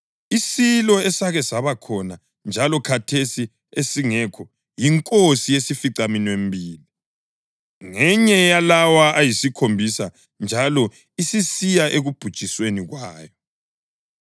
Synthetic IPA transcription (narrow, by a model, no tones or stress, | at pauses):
isilɔɛsaɣɛsaβakʰɔna | nd͡ʒʱalɔkʰatʰesi | esiŋɛkʰɔ | jiŋkʼosijesifiǀaminwembʱiːli | ŋɛɲɛjalawaʔajisikʰombʱisa | nd͡ʒʱalɔ | isisijaʔeɣub̥ʱud̥ʒ̥ʱisweniɣwaːjɔ